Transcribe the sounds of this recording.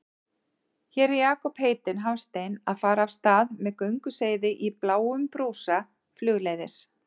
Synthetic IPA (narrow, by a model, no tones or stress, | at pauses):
çɛːɾɛjaːkɔpheːjt̪ɪnɦavst̪eːjnaðfaːɾaːvst̪aːðmɛðkœɥŋkʏseːjðɪʔiplaːwʏmpɾuːsa | flʏːɣleːjðɪs